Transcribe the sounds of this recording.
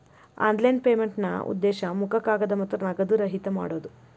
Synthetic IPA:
a̰ːnd̪lɐjnpeːmeɳʈnɐ̰ṵd̪ːeːʃɐmukʰɐkaːɡɐd̪ɐmɐt̪ːɾɐnɐɡɐd̪uɾɐɦit̪ɐma̰ːɽoːd̪u

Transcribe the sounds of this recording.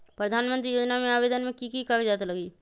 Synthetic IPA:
pɾəd̪ʱaːnmə̃nt̪ɾijoːd͡ʒnamẽaːβeːd̪ənmẽkikikəɾd͡ʒaːt̪ləɡiː

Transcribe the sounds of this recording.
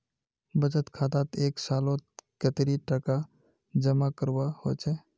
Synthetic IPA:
bəd͡ʒət̪kʰat̪at̪eːksalõt̪kət̪ɾiʈəka | d͡ʒəmakəɾbahot͡ʃʰɛ

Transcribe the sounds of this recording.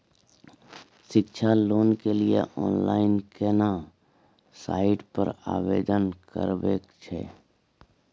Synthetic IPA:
ʃɪkt͡ʃʰaloːnkeliḛʔɔːnla̰ːɪnkena | sa̰ːɪɖpəɾa̰ːʋeːd̪ənkə̰ɾbḛːkt͡ʃʰɛ̰ː

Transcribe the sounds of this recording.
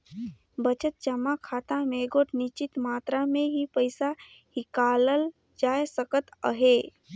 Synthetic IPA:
bət͡ʃət̪̚t͡ʃəmakʰat̪ameɡoʈnit͡ʃit̪maːt̪ɾamẽɦipəjsa | hikaləl | d͡ʒajsəkət̪ə̰ɦe

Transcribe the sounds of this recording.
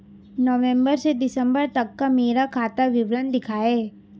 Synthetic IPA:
nɔʋẽmbəɾsed̪ɪsə̃mbəɾt̪ɐkːameːɾakʰaːt̪aʋɪʋɾənd̪ɪkʰaːeː

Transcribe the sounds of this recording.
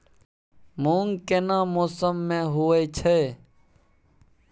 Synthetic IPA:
moːŋɡkeːnãːmoːsəmːẽːɦʊːeit͡ʃʰeː

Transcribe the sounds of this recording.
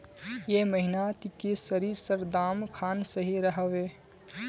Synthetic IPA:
jeməɦinat̪ikesəɾiɾsəɾd̪aːmkʰaːnsəɦiɾəɦəʋe

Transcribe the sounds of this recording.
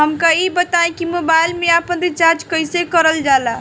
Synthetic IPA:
ɦəmkaibət̪aẽkimobajlmeapənd̪it͡ʃaɾd͡ʒkəjsekəɾəld͡ʒala

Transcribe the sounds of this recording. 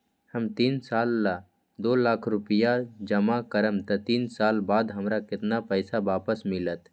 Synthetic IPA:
həmt̪iːnsaːlːa | d̪oːlaːkʰɾʊpəjad͡ʒəmakəɾəmt̪ɐt̪iːnsaːlbaːd̪ɦəmɾakɪt̪napəɪsabaːpəsmɪlət̪

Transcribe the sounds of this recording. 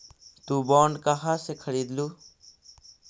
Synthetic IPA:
t̪ubɔːɳɖkaɦasekʰɐɾiːd̪luː

